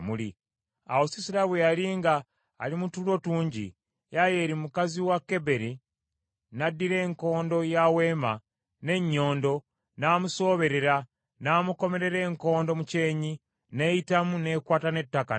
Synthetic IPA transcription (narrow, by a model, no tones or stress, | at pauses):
muli | a̰wosisiɾaβwealiːŋɡa̰ː | limutulo̞tuːɲɟḭ | jaje̞ːɾimukaziwakːe̞be̞ɾi | nadːiɾe̞ːŋko̞ːndo̞jawe̞ːma | ne̞ɲːo̞ːndo̞ | naːmuso̞ːβe̞ɾe̞ɾa | naːmuko̞me̞ɾe̞ɾe̞ːŋko̞ːndo̞muce̞ːɲi | ne̞jitamune̞ːkwaːtane̞tːaka̰